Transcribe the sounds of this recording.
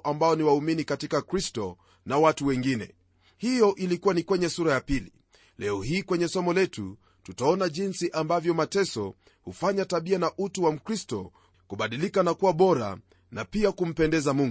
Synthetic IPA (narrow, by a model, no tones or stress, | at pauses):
ʔambaɔniwauminikatikakɾistɔ | nawatuwɛŋɡinɛ̰ | hijɔʔilikuwanikwɛɲɛsuɾajapili | lɛɔhiːkwɛɲɛsɔmɔlɛtṵ | tutaɔnaʄinsiʔambavjɔmatɛsɔ | hufaɲataɓianaʔutuwam̩kɾistɔ̰ | kuɓaɗilikanakuwaɓɔɾa̰ | napiakum̩pɛndɛzamuŋɡ